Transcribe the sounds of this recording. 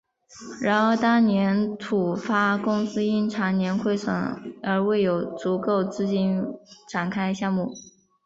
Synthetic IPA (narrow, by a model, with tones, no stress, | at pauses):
ɻa˧˥nxo˥˧˥ʊt̪ɑ˥ŋnjɛ˧˥nt̪ʰu˨˩fa˥kʊ˥ŋsɹ̩˥i˥˩nʈ͡ʂʰa˧˥njɛ˧˥nkʰwe˥˩ɪʂɤ̰˨˩ŋə˞˧˥we˥˩ɪjo˨˩ʊt͡su˧˥ko˥˧ʊt͡sɹ̩˥˧t͡ɕi˥nʈ͡ʂʰa˨˩nkʰa˥ɪɕjɑ˥˧ŋmu˥˩